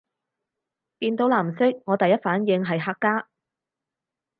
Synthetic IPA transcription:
piː˧nt̪o˨˧˥wlaː˨˩msɪ˥k̚ŋɔː˨˧t̪ɐ˨jɐ˥t̚faː˨˥njɪ˨˧ŋɦɐ˨jɦaː˧kːaː˥

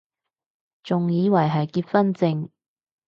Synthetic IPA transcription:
t͡sʊ˨ŋjiː˨˧wɐ˨˩jɦɐ˨jkiː˧t̚fɐ˥nt͡sɪ˧ŋ

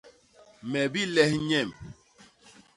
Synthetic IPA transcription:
mɛ˨bi˦lɛ˦hɲɛ˦˨m

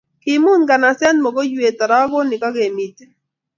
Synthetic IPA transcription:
kɪ˨mʊ˦nɡa˨na˨sɛ˦nmɔ˨ko˦jwe˨t̪a˨ɾa˦ɡɔ˦nɪ˨ka˦ɡe˨mi˨t

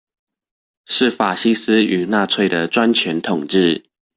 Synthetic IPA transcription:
ʂɻ̩˥˨fa˨˩ɕi˥s̩˥y˨˩na˥˧t͡sʰwe˥˩ɪd̪ə˩ʈ͡ʂwa˦nt͡ɕʰɥɛ˨˦nt̪ʰʊ˨˩ŋʈ͡ʂɻ̩˥˩

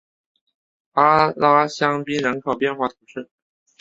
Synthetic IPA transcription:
a˥la˥ɕjɑ˥ŋpi˥nɻə˧˥nkʰɑ˨˩ʊpjɛ˥˧nxwa˥˩t̪ʰu˧˥ʂɻ̩˥˩

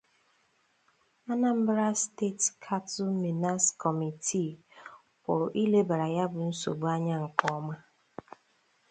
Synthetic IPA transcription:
a˦na˦m̩˦bɾa˦ste˦tkʰa˦tu˦mi˨na˦skʰɔ˨mi˨tʰi˦˨ | kɔ˨ʔi˦le˦ba˨ɾa˨ja˦bʊ˨n̩˦so̰˨ɡ͡bʊ˦a˦ɲa˦ŋ̩˨kɔ˦ma˦

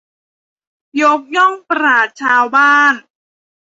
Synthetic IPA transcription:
jo˦˥k̚jɔ˥˩ŋpɾaː˨˩t̪̚t͡ɕʰaː˧wbaː˥˩n

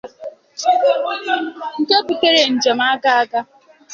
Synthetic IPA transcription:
n̩˨te˦pu˨te˦ɾe˨n̩˨d͡ʒe˨ma˦ɡa˦a˦ka˦

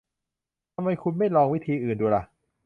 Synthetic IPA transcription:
t̪ʰa˧mːha˧jkʰu˧nma˥˩jlɔː˧ŋwi˦˥˩t̪ʰiː˧ʔɯː˨˩nduː˧la˧˩

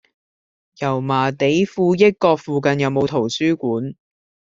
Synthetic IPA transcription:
jɐ˨˩wmaː˨˩t̪e˨˥jfuː˧jɐ˥t̚kɔː˧k̚fuː˨˧kɐ˨njɐ˨˧wmo˨˧wt̪ʰo˨˩wsyː˥kuː˨˥n

